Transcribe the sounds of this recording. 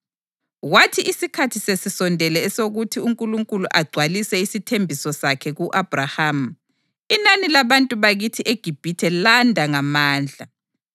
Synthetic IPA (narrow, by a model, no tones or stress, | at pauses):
watʰiʔisikʰatʰisesisɔndʱɛlɛːsoɣutʰiuŋkʼuluŋkʼuluʔaɡ͡ǀʱwalisɛisitʰembʱisɔsakʰɛɣuʔab̥rahaːm̩ | inanilaβantʼuβaɣitʰiʔeɡ̥ʱib̥ʱitʰɛlandʱaŋamaːnd͡ɮʱa